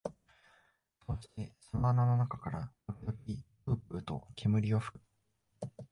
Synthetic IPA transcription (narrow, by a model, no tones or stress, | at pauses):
so̞ɕt̪e̞sonananonakakaɾamoɾʲid̪o̞kʲipɯ̟ːpɯ̟t̪o̞̰kʲʰemɯ̟ɾʲio̞ɸɯ̟̥kɯ̟